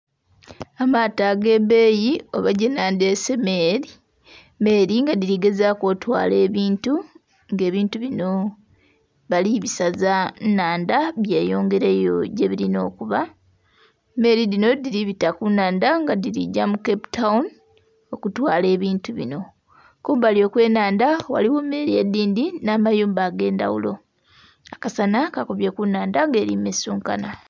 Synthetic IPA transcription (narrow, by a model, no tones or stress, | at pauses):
amataɡe̞βe̞ːjioβaɟenaːndesemeɾi | me̞ːɾiŋɡadiɾiɡe̞zako̞ːtwa̰ːle̞ːβiːntu | ŋɡe̞ːβiːntuβino̞ | βaliβisazanaːndaβje̞ːjo̞ːŋɡe̞ɾe̞ːjo̰ɟe̞βiɾino̞ːkuβa | me̞ɾidino̞diɾiβitakunaːndaŋɡadiɾḭɟamukeputaun | o̞kutwaːle̞ːβiːntuβino̞ | kuːmbaljo̞ːkwe̞ːnaːndawa̰liwomːe̞ɾiediːndinaːmajuːmbaːɡe̞ːnda̰wṵlo̞̰ | akasanakakoβjekunaːndaŋɡe̞ːɾimesuːŋkana